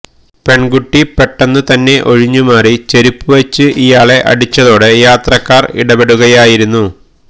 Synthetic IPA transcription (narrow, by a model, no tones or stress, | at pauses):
pe̞ɳɡuʈːipe̞ʈːenːɨt̪ɐnːe̞ʔo̞ɻiɲːumaːrit͡ɕe̞ɾipːuʋɐt͡ɕːɨʔijaːɭe̞ʔɐ̰ɽit͡ɕːɐðo̞ːɽejaːt̪rɐkːaːrḭɽɐbeɽuɣɐjaːjiɾunːu